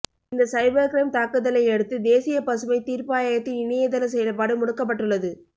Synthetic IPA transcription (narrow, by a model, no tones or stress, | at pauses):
ɪnd̪ɐsɐɪbɐɾkɾɐɪmt̪aːkɯðɐlɐɪɛɽɯt̪ːɯd̪eːsɪjɐpɐsɯʋɐɪt̪iːɾpɯaːjaːjɐt̪ːɪnɪnɪjɐðɐlɐsɛjɐlɐpːaːɽɯmʊɽɯkːɐp̬ːɐʈːɯɭːɐðɯ